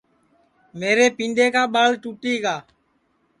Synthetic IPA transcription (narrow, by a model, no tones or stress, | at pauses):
meːɾeːpĩːnɖeːkaːɓaːlʈuːʈiːɡaː